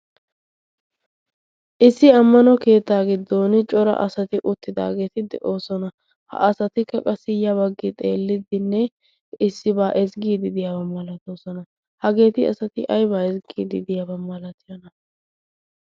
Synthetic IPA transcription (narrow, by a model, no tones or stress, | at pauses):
ʔɪsːɪɐmːɐnɔke̞ːt̪ːaːɡɪd̪ːoːnɪt͡ʃʼɔɾɐ̰ʔɐsɐt̪ɪʔʊt̪ːɪd̪a̰ːɡeːt̪ɪd̪ɛ̰ʔo̞ːsɔnɐ | hɐ̰ʔɐsɐt̪ɪkːɐkʼɐsɪjɐβɐɡːɪt̪ʼe̞ːlːɪd̪ɪnːɛ | ɪsːɪbaːʔɛzɡiːd̪ɪd̪ɪjabɐmːɐlɐt̪oːsɔnɐ | hɐɡe̞ːt̪ɪɐ̰sɐt̪ɪ̰ʔɐjbaːɛzɡiːd̪ɪd̪ɪjabɐmːɐlɐt̪ɪjɔnɐ